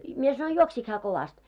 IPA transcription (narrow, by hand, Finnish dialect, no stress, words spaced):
mie sɑnoi juoksik hæː koʋɑst